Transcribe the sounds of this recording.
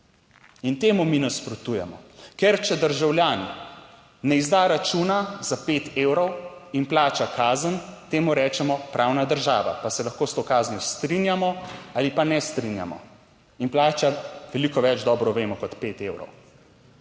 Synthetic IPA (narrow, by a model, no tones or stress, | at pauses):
int̪eːmuminaspɾɔt̪uːjɛmɔkɛɾt͡ʃɛd̪əɾʒawljaːni | nɛizd̪aɾat͡ʃuːnaz̥apeːt̪eːwɾɔwinplaːt͡ʃakaːzənt̪eːmuɾɛːt͡ʃɛmɔpɾʔaːwnad̪əɾʒaːʋa̰pasɛlɐxkoːst̪okaːznjɔst̪ɾinjamɔalipanɛst̪ɾinja̰mɔ̰ | inplaːt͡ʃaʋɛlikɔʋɛd͡ʒd̪ɔːbɾɔʋeːmɔkɔt̪peːt̪ewɾɔ̰w